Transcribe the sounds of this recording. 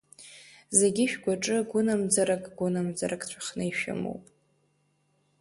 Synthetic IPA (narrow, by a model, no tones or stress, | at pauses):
ze̞ɡʲɪʃᶣɡʷaʈ͡ʂʼɨɡʷʊnamd͡zaɾakʼɡʷʊnamd͡zaɾʔakʼt͡ɕʷʰḁχnɨiʃᶣa̰mo̰wpʼ